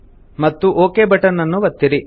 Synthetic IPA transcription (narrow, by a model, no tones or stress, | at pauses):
mɐt̪ːuʔoːkeːbɐʈɐnɐnːuʋɐt̪ːiɾi